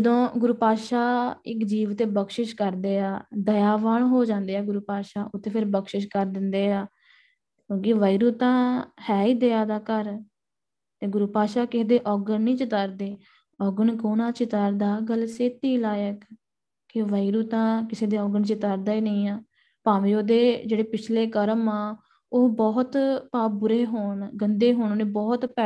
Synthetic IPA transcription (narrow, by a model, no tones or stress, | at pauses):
d͡ʒəd̪õːɡʊɾuːpaːʃaːɪkd͡ʒiːʋt̪eːbəkʃɪʃkəɾd̪eːaːd̪əjaːʋaɳɦoːd͡ʒãːnd̪eːaːɡʊɾuːpaːʃaːʔʊt̪ʰːeːpʰɪɾbəkʃɪʃkəɾd̪ɪnd̪eːaː | kõːkɪʋəːiːɾuːt̪ãːhɛːiːd̪eːaːd̪aːkəɾ | t̪eːɡʊɾuːpaːʃaːkɪsed̪eːʔɔːɡənnĩːt͡ʃɪt̪əɾd̪eː | ɔːɡənkoːnãːt͡ʃɪt̪aɾd̪aːɡəlseːt̪iːlaːjək | kːeʋəːiːɾuːt̪ãːkɪseːd̪eːɔːɡənt͡ʃɪt̪aːɾd̪aːiːnəĩːaː | pãːʋioːd̪eːd͡ʒeːɽeːpɪt͡ʃʰleːkəɾəmãː | oːbɔːt̪paːp̚bʊɾeːɦoːɳɡənd̪eːɦoːɳːneːbɔːt̪pɛː